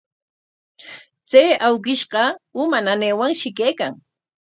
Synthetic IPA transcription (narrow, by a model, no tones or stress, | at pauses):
t͡sajawkɪʃɢɑʊmananeːwaŋʃɪkejkaŋ